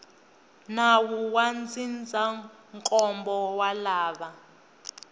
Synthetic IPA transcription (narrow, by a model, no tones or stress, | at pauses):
nawuwand͡zʱind͡zʱa | ŋkʼɔmbɔwalaːɓa